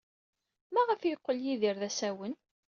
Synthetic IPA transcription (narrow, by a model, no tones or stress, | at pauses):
mæʁəfjəqːəljiðiɾðæsæwən